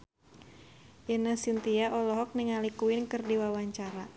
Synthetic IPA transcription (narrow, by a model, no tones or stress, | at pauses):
jənasint̪iaʔɔlɔɦɔk̚niŋalikuɪnkɨrdiwawaɲt͡ʃaɾa